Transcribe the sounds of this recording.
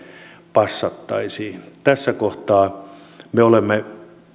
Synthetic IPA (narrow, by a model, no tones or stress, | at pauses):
pɑsːɑt̪ːɑisiːt̪æsːækoht̪ɑː | meolemːe